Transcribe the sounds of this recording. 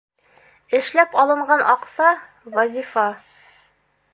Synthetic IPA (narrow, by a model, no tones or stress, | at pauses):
ɘ̆ʃlæpɒlˠɤ̆ɴɢɑnʔɒqsɑ | wɒzʲifɑ